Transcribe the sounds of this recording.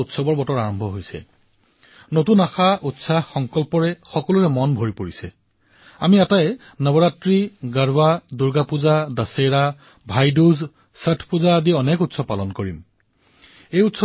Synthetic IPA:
utsɔbɔɹbɔtɔaɹɔmbʱɔɦojsɛ̰ | notunaxaʔutsaxɔŋkɔlpɔɹɛxɔkɔluɹɛmɔnbʱoɹipoɹisɛ̰ | amiɛtajɛ | nɔbɔɹatɹiɡaɹwaduɹɡapuzadasejɹa | bʱajduz | sətʰpuzaːdiɔnɛkutsɔbpːalɔnkoɹim | ejutsɔ

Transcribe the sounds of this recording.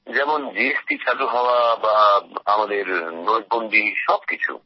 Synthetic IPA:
d͡ʑɛmond͡ʑiesʈit͡ɕaʈuɦaoabaamad̪eɾnoj̚bonɖ̪iʃɔb̚kit͡ɕʰṵ

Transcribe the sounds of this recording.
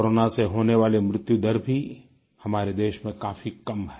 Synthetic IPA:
koɾoːnaseɦoːneʋaːlemɾɪt̪jud̪ɐɾbʱi | hɐmaːɾed̪eːʃmẽkaːfikɐmɦɛː

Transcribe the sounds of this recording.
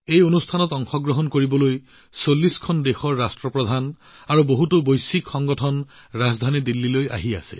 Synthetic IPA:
ejonustʰanɔtɔŋxɔɡɹɔɦɔnkoɹibɔloj | solːiskʰɔndexɔɹːastɹɔpɹɔd̪ʱan | aɹuboɦutobojsikxɔŋɡɔtʰɔn | ɹazd̪ʱanidilːiloja̰ɦia̰sɛ̰

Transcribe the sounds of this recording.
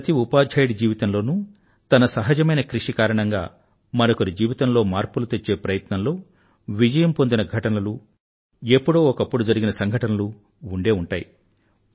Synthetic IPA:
t̪iupaːd͡ʒʱɐjɽid͡ʒiːʋit̪ɐmlo̞ːnuː | t̪ɐnɐsɐɦɐd͡ʒɐmɐjnɐkɾiʂikaːɾɐɳɐŋɡa̰ː | mɐnɐkuɾid͡ʒiːʋit̪ɐmlo̞ːmaːɾpulut̪e̞t͡ʃːe̞ːpɾɐjɐt̪nɐmlo̞ː | ʋid͡ʒɐjɐmpo̞nd̪inɐɡʱɐʈɐnɐlu | epːuɽoːɔkɐpːuɽud͡ʒɐɾiɡinɐsɐŋɡʱɐʈɐnɐluː | ɳɖe̞ːuɳʈaːji

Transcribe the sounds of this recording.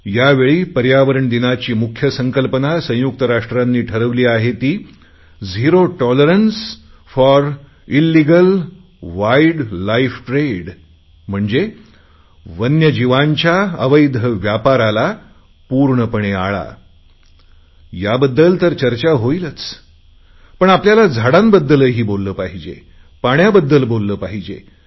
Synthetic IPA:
jaʋeɭiːpəɾjaʋəɾəɳd̪inat͡ɕiːmukʰjəsəŋkəlpənasə̃juk̚t̪əɾaʂʈɾanːiːʈʰəɾəʋliːaɦet̪iː | d͡zʱiɾoʈɔləɾəns | fɔɾ | ilːiɡəl | ʋaiɖlaifʈɾeɽ | m̤əɳd͡ze | ʋənjəd͡ʑiʋaɲt͡ɕjaə̰ʋəjd̪ʱəʋjapaɾala | puɾɳəpəɳ̃ea̰ɭa̰ | jabəd̪ːəlt̪əɾt͡ɕəɾt͡ɕaɦoilət͡s | pəɳapljalad͡zʱaɽambəd̪ːələːɦiːbolːəːpaɦid͡ʑḛ | paɳjabəd̪ːəlbolːəːpaɦid͡ʑḛ

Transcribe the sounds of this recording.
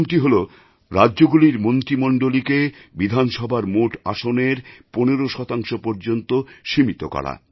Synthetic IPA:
mʈiɦolo | ɾadːʑoɡuliɾmont̪ɾimɔɳɖolikebid̪ʱanʃɔbʱaɾmoʈa̰ʃoneɾponeɾoʃɔt̪aŋʃopɔɾd͡ʑont̪oʃimit̪o̰kɔ̰ɽa̰

